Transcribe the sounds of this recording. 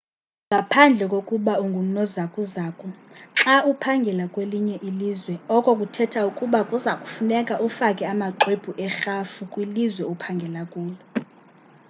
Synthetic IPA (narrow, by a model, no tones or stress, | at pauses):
ŋɡʱapʰand͡ɮʱɛkʼokʼuɓauŋɡʱum̩nɔzakʼuzaːkʼuǁaʔupʰaŋɡʱɛlakʼweliɲɛʔiliːzwɛɔkʼɔkʼutʰɛtʰaukʼuɓakʼuzakʼu̥funɛkʼaʔufakʼɛamaǃʱeb̥ʱuʔɛxafukʼwilizwɛupʰaŋɡʱɛlakʼuːlɛ